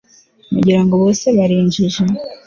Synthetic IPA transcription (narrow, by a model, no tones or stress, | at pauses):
mṵɟiɾaŋɡoβoːseβaɾiːɲd͡ʒiʒe̞